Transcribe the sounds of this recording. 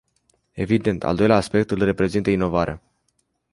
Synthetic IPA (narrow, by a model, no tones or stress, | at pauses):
e̞vid̪e̞nt̪ʰa̰ld̪o̞jleaːspe̞kt̪ɨlre̞pɾe̞zint̪əino̞vaɾea̰